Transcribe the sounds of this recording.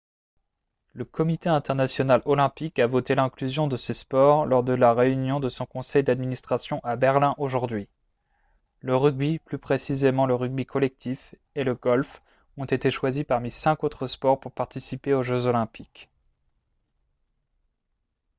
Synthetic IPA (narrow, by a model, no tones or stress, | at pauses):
ləkɔmit̪eɛ̃t̪ɛʁnasjɔnalɔlɛ̃pikavot̪elɛ̃klyzjɔ̃d̪əsespɔʁlɔʁd̪əlaʁeynjɔ̃d̪əsɔ̃kɔ̃sɛjd̪ad̪minist̪χasjɔ̃ʔabɛʁlɛ̃ʔoʒuʁd̪ɥi | ləʁyɡ̚biplypχesizemɑ̃ləʁyɡ̚bikʰɔlɛk̚t̪ʰif | eləɡɔlf | ɔ̃t̪et̪eʃwazipaʁmisɛ̃kot̪χəspɔʁpuʁpaʁt̪isipeoʒøzolɛ̃pik